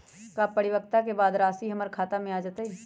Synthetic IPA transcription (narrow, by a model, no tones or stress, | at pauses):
kaːpəɽɪʋək̚t̪akebaːd̪ɾaːsiɦɐməɾkʰaːt̪amẽaːd͡ʒat̪ai